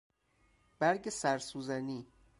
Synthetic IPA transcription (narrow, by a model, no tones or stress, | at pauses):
b̥æɾɟesæɾsuːzæniː